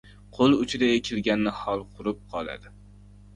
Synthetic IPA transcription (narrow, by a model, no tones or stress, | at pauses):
qʰolˠʊt͡ʃʰɪd̪aekʲʰɪlɡʲanːɪhɒlˠqʰʊɾɪp̚qʰɒlˠa̰d̪ɪ